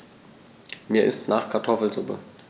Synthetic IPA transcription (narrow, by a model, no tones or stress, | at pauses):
miːɐʔɪstnaːχkʰaɐtʰɔfl̩zʊpə̰